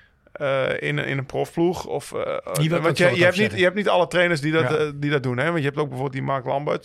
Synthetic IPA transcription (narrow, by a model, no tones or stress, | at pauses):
əɪ̰nɪ̰nənprofpluxɔf | ʋɔntjəjəɛp̚nitjəɛp̚tnitalətreːnərs̬didɔtdidɔt̚dunɛʋɔ̃ntjəɦɛp̚toːk̚bɛfoːbelˠtdimarklambə̰t